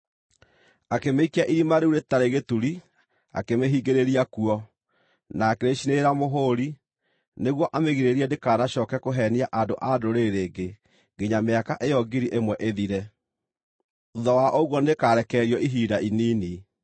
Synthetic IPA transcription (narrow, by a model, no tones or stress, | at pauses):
akemeikiaʔiɾimaɾeuɾetaɾeɣetuɾi | a̰kemeɦiɡeɾeɾiakuɔ | naːkeɾeʃineɾamoɦoɾi | neɣwɔʔameɣiɾeɾiɛndekaːnaɕɔːkɛkoɦɛniaʔadoʔadoɾeɾeːɡe | ɡeɲameakaʔejɔɡiɾiʔemwɛʔeðiɾɛ | uðɔwaʔoɣwɔnekaːɾɛkɛɾiɔʔiɦiːdainiːni